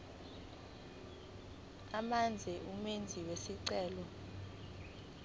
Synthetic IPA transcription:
amand͡zʱɛʔumend͡zʱiwesiǀɛːlɔ

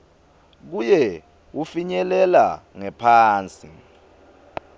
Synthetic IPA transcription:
k̬ujɛ | wufiɲɛlɛlaŋɛpʰaːnt͡sʼi

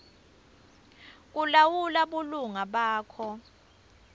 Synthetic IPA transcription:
k̬ulawulaɓuluŋaɓaːkʰɔ

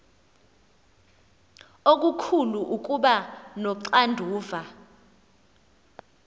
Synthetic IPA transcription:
ok̬ʼukʰuluʔuk̬ʼuɓanɔǀandʱuːva

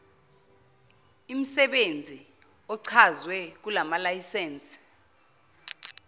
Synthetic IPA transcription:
im̩sɛɓend͡zʱi | ɔǀʰazwɛk̬ulamalajisɛːnt͡sʼi̥

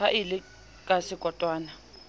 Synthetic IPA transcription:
aʔilɪ | kʼasɪkʼɔtʼwaːna

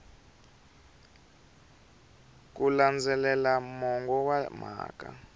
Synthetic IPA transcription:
k̬ʼuland͡zɛlɛlamɔŋɡɔwam̤a̰ːkʼa̰

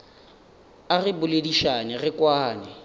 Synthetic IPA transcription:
arɪbʊlediʃanɪrɪkʼwaːnɪ

